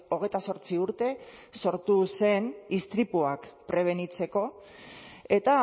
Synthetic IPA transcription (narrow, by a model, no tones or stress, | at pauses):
o̞ɣ̞e̞jt̪aso̞ɾt͡siuɾt̪e̞so̞ɾt̪use̞nist̪ɾipuakpɾe̞β̞e̞nit͡se̞ko̞ | e̞t̪a